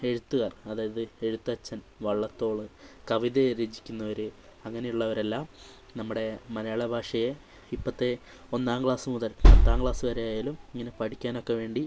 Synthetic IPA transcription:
e̞ɻut̪ːuɣaːrɐðaːjɐðɨe̞ɻut̪ːɐt͡ɕːɐn | ʋɐɭːɐt̪ːo̞ːɭɨkɐʋiðeɾeːd͡ʑi̥kʲːunːɐʋɐɾɨɐŋːɐne̞juɭːɐoɾɐlːaːm | nɐmːuɽe̞mɐnɐjaːɭɐbʱaːʂɐje | ipːɐt̪ːe̞ | o̞nːaːmɡɭaːsɨmuðɐlpɐt̪ːaːŋkɭaːsɨʋɐɾejaːjaːlumiŋːɐne̞pɐʈikʲːaːno̞kːe̞ʋe̞ːɳɖi

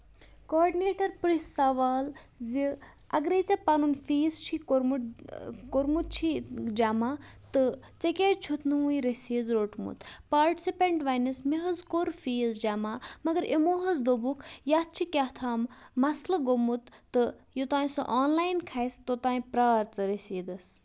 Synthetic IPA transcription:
koːɾɖineːʈɐɾpɾisaʋaːl | zi | ɐɡɾet͡sɐpanunfiːst͡ʃʰikoɾmuʈkoɾmut̪̚t͡ʃʰid͡ʒamaː | t̪ɨ | t͡sekʲeːʈt͡ʃʰut̪ʰnɨuĩɾesiːd̪ɾoːʈmṵt̪paːɾʈi̥sipeɳʈʋanɐsmeɦɐzkoɾfiːzd͡ʒamaːmɐɡɐɾʔemoɦɐzd̪obukʰjaːt̪̚t͡ʃʰikʲaht̪ʰaːmːɐslɐɡomut̪ːɨjot̪aːĩsɨ̰ʔaːnlaːjnkʰajst̪ot̪aːĩpɾaːɾt͡sɨɾesiːd̪ɐs

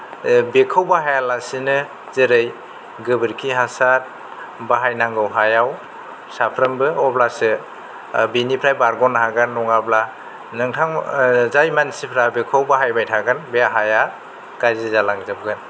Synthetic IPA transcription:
bekʰawbaɦajalasinɯ | zɯɾɯj | ɡɯbɯɾkʰiɦasat̚ | baɦajnaŋɡɯwɦajaw | sapʰɾɯmbɯɔblasɯ | binipʰɾajbaɾɡɔnhaɡanːɔŋabla | nɯŋtʰaŋzajmansipʰɾabekʰawbaɦajbajtʰaɡanbeaɦaja | ɡ̥ajzizalaŋzɯb̚ɡɯn

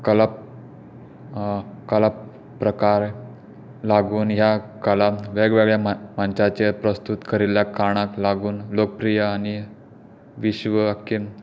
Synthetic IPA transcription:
kəla | kəlap | pːɾəkaɾ | laɡuːnɦjakəlaʋeɡʋeɡɭjamant͡ɕat͡ɕepɾəst̪ut̪kəɾiljakaɽ̃aklaɡuːnlokəpɾijaañi | ʋiɕʋəakːe

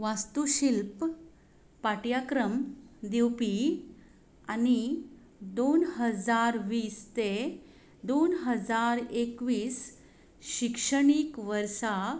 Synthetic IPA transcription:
ʋast̪uɕilp | paʈjakɾəmd̪iwpi | ani | d̪onɦəd͡zaɾʋiːst̪e | d̪onɦəd͡zaɾekʋiːs | ɕikʂəɳiːkʋəɾsa

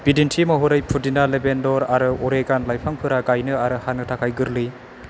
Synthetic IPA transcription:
b̥idintʰimaɦuɾɯjpʰudinalebendɔɾaɾɯɔɾeɡanlajpʰaŋpʰɯɾaɡajnɯaɾɯhanɯtʰakʰajɡɯɾlɯ

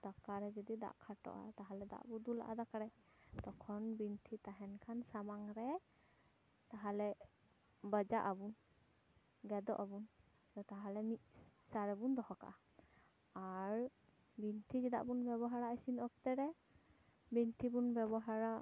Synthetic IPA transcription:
d̪̥akaɾɛd͡ʒɔd̪id̪a̰ʔkʰaʈɔ̰ʔa̰t̪aɦalɛd̪a̰ʔbud̪ula̰ʔad̪akaɾɛ | t̪ɔkʰɔnbinʈʰit̪aɦɛnkʰansamaŋɾɛ | t̪aɦalɛ | bəd͡ʒaʔabun | ɡɛd̪ɔ̰ʔabun | ɔt̪aɦalɛmiʔ̪̚saɾɛbund̪ɔɦɔkaʔa | aɾ | binʈʰid͡ʒɛd̪a̰ʔbunbɛβɔɦaɾaəsinɔk̚t̪ɛɾɛ | binʈʰibunbɛbɔɦaɾa

